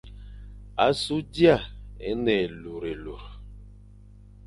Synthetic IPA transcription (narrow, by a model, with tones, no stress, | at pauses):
a̰˨su˦di˦a˦˨ḛ˨˦nɛ˨lu˨ɾe˨lu˨ɾ